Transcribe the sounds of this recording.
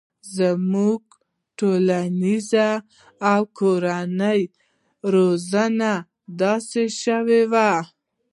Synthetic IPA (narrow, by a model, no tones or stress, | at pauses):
zamuɡ | ʈolanizaː | wkʰoɾanəj | ɾozana | d̪ɑseʃəwewa